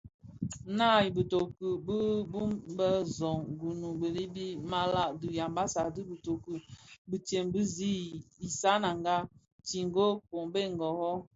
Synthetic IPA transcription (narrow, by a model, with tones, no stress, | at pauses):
na˦˨ji˨bə˨to˨kə˨bə˦bu˦mbə˦zɔ˨ŋɡu˨nu˨bə˨li˦bi˦ma˦la˦˨du˨ja˨mba˦sa˨dɨ˦bə˨to˨ku˨bi˨te˨mbi˦zi˦i˨sa˦na˨ŋɡa˦ | ti˨ŋ˦ɡo˦ko˨ŋbe˦˨ŋ˨ɡɔ˨hɔ˦